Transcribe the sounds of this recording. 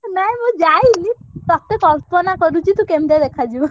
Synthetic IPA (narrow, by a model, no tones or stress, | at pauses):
naɦĩmũd͡ʒajnit̪ɔt̪ekɔlpɔnakɔɾut͡ʃʰit̪ũkemd̪ed̪ekʰad͡ʒibɔ